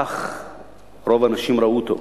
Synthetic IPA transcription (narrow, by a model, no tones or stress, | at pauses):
χ | ɾovɐnɐʃimɾɐut̪o̰